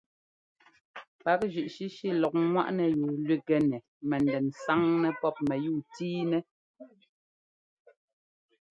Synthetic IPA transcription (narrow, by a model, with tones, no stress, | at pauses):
pa˦k̚ʒʉ˨ʔʃi˦ʃi˦˨lɔ˨k̚ŋwa̰˦ʔnɛ˨je˨lɥwi˦˨ɡɛ˨nɛ˨ | mɛ˨ndɛ˨nsa˦ŋnɛ˦pɔ˦p̚mɛ˨juː˦˨tiː˦nɛ˦